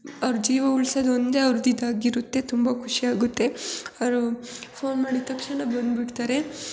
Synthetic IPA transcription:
ɐʋɾud͡ʒiːʋɐuɭsɐd̪ond̪e̞ɐʋɾud̪id̪aːɡiɾut̪ːe̞t̪umbɐkʰuʂiaːɡut̪ːe̞ɐʋɾupʰo̞ːnmaːɽit̪ɐkʂɐɳɐbɐnd̪biɽt̪aːɾe̞

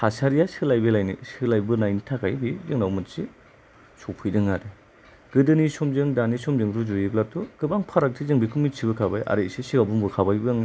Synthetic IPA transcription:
hasaɾijasilajbelajnḭsilajbɯnajnitʰakʰajbizɯŋnawmɯtsi | sɔpʰɯjdɯŋade | ɡ̥ɯdɯnisɔmzɯŋdanisɔmd͡ʒɯŋduzuiblatuɡɯbaŋpʰaɾak̚tʰizɯŋbikʰumitsʰibɯkʰabajʔa̰ɾesisiɡabumbɯkʰabajbɯŋ

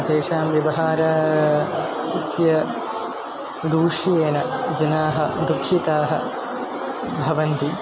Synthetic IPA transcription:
d̪eːʃaːmʋjɐʋɐɦaːɾɐ | isjɐ | d̪uːʂijeːnɐd͡ʒɐnaːɦɐd̪ukʰːit̪aːɦɐ̰ | bʱɐʋɐnt̪i

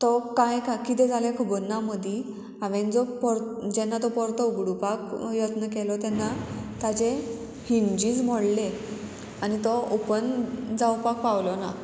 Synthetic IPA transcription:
t̪ɔkajkakit̪̬ɛd͡zaljakʰubənːaməd̪ʱi | aʋẽnd͡zɔpɔɾd͡ʑɛnːat̪ɔpɔɾt̪əuɡɽupakjət̪nəkɛlɔt̪ɛnːat̪ad͡ʑe | hind͡ʑiːd͡zm̤ɔɽle | anit̪ɔupənd͡zawpak̚pawlɔna

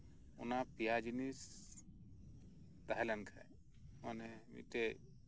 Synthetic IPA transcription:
ʊnapijad͡ʒinis | t̪aɦɛlɛnkʰa̰ | ɔnɛmḭʈe

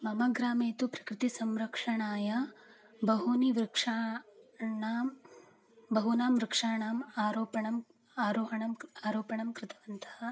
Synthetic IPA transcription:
mɐmɐɡɾaːmeːt̪upɾɐ̥kɾɪt̪isɐmɾɐkʂɐɳaːjɐ | bɐɦuniʋɾɪkʂaː | ɳaːm | bɐɦunaːmɾɪkʂaːɳaːmaːɾoːpɐɳɐm | aːɾoːɦɐɳɐmaːɾoːpɐɳɐmkɾɪt̪ʰɐʋɐnt̪ʰɐhɐ

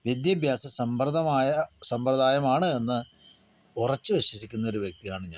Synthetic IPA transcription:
ʋid̪jɐbʱjaːsɐsɐmprɐðɐmaːjɐsɐmprɐd̪aːjɐmaːɳɨe̞nːɨ | urɐt͡ɕːɨʋiɕwɐsikʲːunːɐo̞ɾuʋjek̚t̪ijaːɳɨɲaː

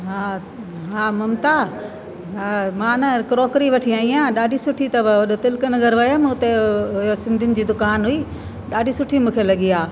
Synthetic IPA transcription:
ɦãː | ɦãːmɐmt̪a | ɦamãːnɐkɾoːkɾiʋɐʈʰiaːĩãːɗaːɖʱisʊʈʰit̪ɐbʋɐɗot̪ɪlkənɪɡɐɾʋɐjamɐ̃ʊt̪eʊɦijosɪ̃nd̪ʱɪnɪ̆d͡ʑiːd̪ʊkaːnɦuiː | ɗaːɖʱisʊʈʰimũːkʰelɐɠiaː

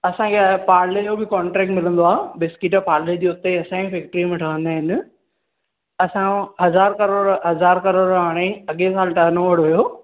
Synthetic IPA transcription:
ɐsãkʰepaːɾlejobɪkɔːɳʈɾɛːk̚ʈmɪlə̃nd̪oaːbɪskɪʈpaːɾled͡ʑiːʊt̪eɐsãĩpʰɛːk̚ʈɾimẽʈʰɐə̃nəɦɪnɪ̆ | ɐsãɦɐzaːɾkɐɾoːɽɦɐzaːɾkɐɾoːɽɦaːɽ̃eɐɠesaːlɪʈɐɦnoʋɐɽɦʊjoː

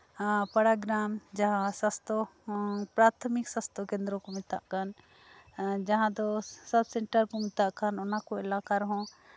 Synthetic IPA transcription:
pɐɽaɡɾamd͡ʒaɦãsəst̪ɔ | pɾat̪ʰmiksə̃st̪ʰɔkẽnd̪ɾɔkɔmɪt̪a̰ʔkan | d͡ʒaɦãd̪ɔsəbsɛɳʈəɾkɔmɪt̪aʔkanɔnakɔɛlakaɾɦɔ̃

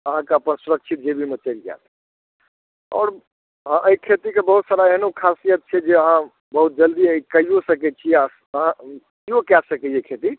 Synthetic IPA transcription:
əɦãkeəpənsuɾəkt͡ʃʰit̪̚d͡ʒebʱimet͡ʃəld͡ʒa̰t̪ɛ | ɔ̰ːɾ | ɦãʔəikʰet̪ikebəɦut̪saɾaeɦnukʰasijət̪̚t͡ʃʰɛd͡ʒeəɦã | bəɦut̪̚d͡ʒəld̪iəikəijosəkɛt͡ʃʰi | əɦã | iokasəkejekʰet̪i

